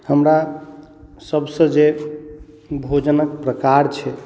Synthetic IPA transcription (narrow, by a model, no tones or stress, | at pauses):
həmɾa | səbsə̃d͡ʒe | bʱod͡ʒənəkpɾəkaɾt͡ʃʰɛ